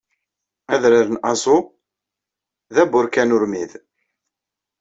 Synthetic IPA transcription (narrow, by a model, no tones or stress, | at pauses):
æðɾaɾənɑzˤʊ | ðæbʊɾkænʊɾmið